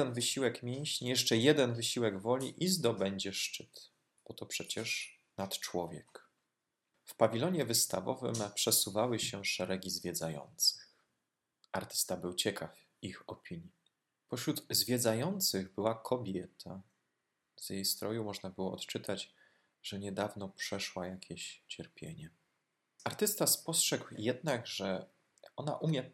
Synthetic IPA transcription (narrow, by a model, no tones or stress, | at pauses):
ɛnvɘɕiwɛkmʲjɛɲɕɲijɛʂt͡ʂɛjɛd̪ɛnvɘɕiwɛɡvɔlʲiʔizd̪ɔbɛɲd͡ʑɛʂt͡ʂɘt̪ | bɔt̪ɔpʂɛt͡ɕɛʂ | nat̪t͡ʂwɔvʲjɛ̰k | fpavʲilɔɲɛvɘst̪a̰vɔ̰vɘ̰mpʂɛsuvawɘɕɛʂɛɾɛɡʲizvʲjɛd̪zajɔ̰nt̪sɘ̥x | ʔaɾt̪ɘ̥st̪abɘwt͡ɕɛkʰaf | ixɔpʲiɲji | pɔɕɾud̪zvʲjɛd̪zajɔnt̪sɘɣbɘwakʰɔbʲjɛt̪ʰa | z̥jejst̪ɾɔjumɔʐnabɘwɔɔt̪t͡ʂɘt̪ʰad͡ʑ | ʐɛɲɛd̪avnɔpʂɛʂwajakʲʰeɕt͡ɕɛɾpʲjḛɲɛ | aɾt̪ɘst̪aspɔstʂɛɡwjɛd̪̚naɡʐɛ | ɔna̰ʔumʲjɛ